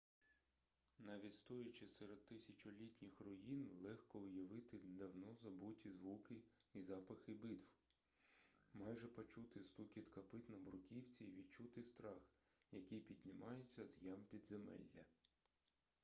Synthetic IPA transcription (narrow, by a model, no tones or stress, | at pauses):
nɑʋʲitʲst̪ɔjʊt͡ʃɪsɛɾed̪̚t̪ːɪsʲɐt͡ʃʊlʲitʲnʲixrɔjinlˠɛxkɔʊjɐʋɪt̪ɪd̪ɐwnɔzɐbutʲizʋukɪ | izɑpɐxɪbɪt̪w | mɑjʒɛpɔt͡ʃut̪ɪst̪ukʲit̪kɐpɪt̪nɐbɾʊkʲiwt͡sʲiːʋʲidt͡ʃut̪ɪst̪ɾɑxjɐkʲijpʲid̪ʲnʲimɑjet͡sʲːɐzjɑmpʲid̪zemɛ̰lʲːɐ̰